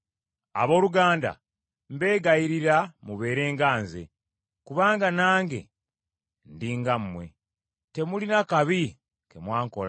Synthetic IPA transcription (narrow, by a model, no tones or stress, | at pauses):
a̰βo̞ːluɡaːnda̰ | mbe̞ːɡajiɾiɾamuβe̞ːɾe̞ːŋɡaːnze̞̰ | kuβaːŋɡanaːŋɡe̞̰ | ndiːŋɡammwe̞ | te̞mulinakaβi | ke̞mwaːŋko̞la